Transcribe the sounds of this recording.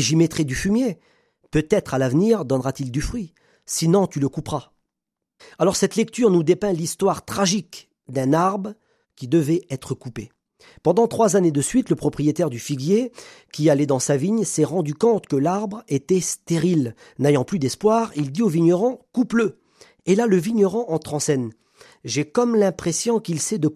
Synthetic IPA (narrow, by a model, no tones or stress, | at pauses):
ʒimet̪χid̪yfymje | pøt̪ɛt̪χalavniʁd̪ɔnʁat̪ild̪yfχɥi | sinɔ̃t̪yləkupʁa | alɔʁsɛt̪lɛk̚t̪yʁnud̪epɛ̃list̪waʁt̪χaʒik | d̪ɛ̃naʁbʁ | kʲid̪əvɛɛt̪χəkupe | pɑ̃d̪ɑ̃t̪χwazaned̪əsɥit̪ləpχɔpχijet̪ɛʁd̪yfiɡje | kʲialɛd̪ɑ̃saviɲsɛʁɑ̃d̪ykɔ̃t̪kəlaʁbʁet̪ɛst̪eʁil | nejɑ̃plyd̪ɛspwaʁild̪ioviɲɔʁɑ̃kuplə | elaləviɲɔʁɑ̃ʔɑ̃t̪χɑ̃sɛn | ʒekɔmlɛ̃pχesjɔ̃kilsɛd̪ə